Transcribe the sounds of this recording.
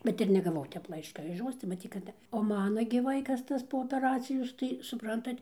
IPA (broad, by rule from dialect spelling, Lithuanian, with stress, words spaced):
ˈbʲɛt ɪr nʲɛɡɐˈʋɐʊ ˈtʲɛp ˈlˠɐɪʃkɐ ɪʃ ˈjoːs tɐɪ mɐˈtʲiːt kɐt oː ˈmɑːnɐ ɡʲɪ ˈʋɐɪkɐs ˈtɐs poː oːpʲɛˈrɑːt͡sʲɪjoːs tɐɪ sʊˈprɐntɐt